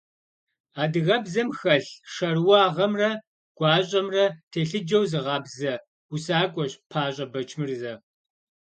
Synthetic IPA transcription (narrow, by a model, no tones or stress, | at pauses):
aːdɨɣɐbzɐmxɐɬʂɐrwɑːʁɐmrɐ | ɡ̥ʷɑːɕʼɐmrɐtʰeːɬɨd͡ʒɐwzɨʁɑːbzɐ | usaːkʷʼɔɕpʰaːɕʼɐbɐt͡ʃʰmɨrzɐ